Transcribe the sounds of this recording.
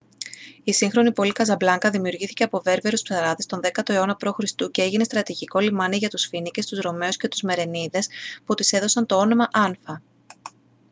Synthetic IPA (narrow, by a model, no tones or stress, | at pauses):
isiŋxɾo̞nipo̞likɐzɐblɐŋkɐðimiuɾʝiθi̥ce̞ɐpo̞ve̞ɾveɾuspsɐɾɐðist̪o̞nðe̞kɐt̪o̞e̞o̞nɐpɾo̞xɾist̪ucee̞ʝinest̪ɾɐt̪iʝiko̞limɐniʝɐt̪usfinice̞st̪uzɾo̞me̞usce̞t̪u̥zme̞ɾe̞niðe̞sput̪ise̞ðo̞sɐnt̪o̞o̞no̞mɐʔɐnfɐ